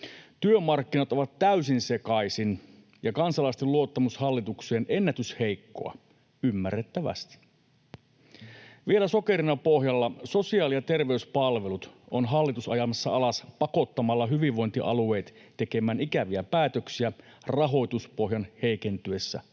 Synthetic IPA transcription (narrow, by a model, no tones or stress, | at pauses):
t̪yømɑrkːinɑt̪oʋɑt̪t̪ːæysinse̞kɑjsin | jɑkɑnsɑlɑist̪eluot̪ːɑmushɑlːit̪ukseːnʔe̞nːæt̪yshejkːo̞̰ɑ̰ | ymːærːet̪ːæʋæ̰st̪i̥ | ʋielæso̞ke̞ɾinɑpo̞hjɑlːɑso̞siɑːlijɑt̪e̞rʋe̞yspɑlʋe̞lut̪onɦɑlːit̪usɑjɑmɑsːɑɑlɑspɑko̞t̪ːɑmɑlːɑɦyʋiʋʋo̞jnt̪iʔɑ̰lue̞jt̪t̪e̞ke̞mæːnikæʋiæpæːt̪øksiæ | rɑɦo̞jt̪uspo̞ɦjɑnhe̞jke̞nt̪yesːæ̰